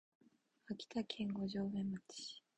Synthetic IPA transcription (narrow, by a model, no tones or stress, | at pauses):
akʲi̥t̪akʰẽŋɡo̞ʑoːβẽmːati̥ɕi̥